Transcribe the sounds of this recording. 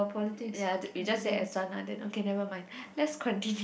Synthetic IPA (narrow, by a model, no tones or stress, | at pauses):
pʰɔlitikjawid͡ʒasɛɛ̰sãna̰dɛ̰̃no̰kenɛvəmãj̃nlɛtskʰɔ̃ntĩnj